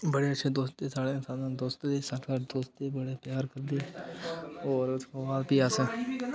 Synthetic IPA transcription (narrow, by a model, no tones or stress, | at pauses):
bəɽeətːʃʰed̪oːst̪t̪esaːɽeɪnsãːnãːd̪oːst̪d̪esaːkʰaʈd̪oːst̪ebɐɽepjaːɾkɐɾd̪eː | ɔːɾʊskaʋaːlpiaːsẽː